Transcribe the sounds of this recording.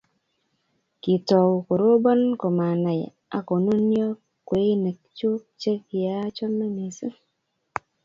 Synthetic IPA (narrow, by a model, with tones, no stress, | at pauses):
ki˨tɔ˨wko˨ɾo˦bɔ˦nko˨ma˨na˨j | a̰˨ko˨no˦njɔ˦ | kwe˨˦ne˨k̚t͡ʃo˦t͡ʃe˦kja˦t͡ʃɔ˦me˦ni˨si˦